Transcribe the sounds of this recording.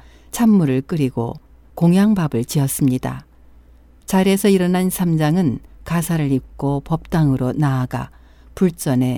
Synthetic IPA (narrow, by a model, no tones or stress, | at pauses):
t͡ɕʰamːuɾɯɭk͈ɯɾiɡo̰ | koŋjaŋbabɯɭt͡ɕiʌs͈ɯmɲida̰ | t͡ɕaɾe̞sʰʌiɾʌnansʰamd͡ʑaŋɯnkasʰaɾɯɾik͈opʌp̚t͈aŋɯɾonaːɡa̰ | puɭt͡ɕ͈ʌne̞